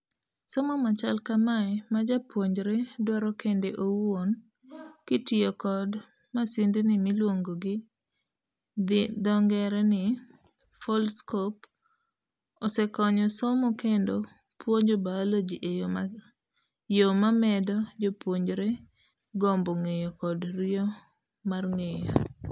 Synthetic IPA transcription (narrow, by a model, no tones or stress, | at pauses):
sɔmɔmat͡ʃalkamaɪmad͡ʒapwoɲd͡ʒɾedwaɾɔkendeʔowon | kitɪokɔd | masindɪnɪmɪlwoŋɡoɡɪ | d̪ɔŋɡɛɾɛnɪ | folskop | ɔsɛkɔɲɔsɔmɔkendo | pwoɲd͡ʒobaolod͡ʒiʔe | jomamɛdɔd͡ʒopwoɲɾe | ɡɔmboŋejɔkɔdɾio | marŋejo̰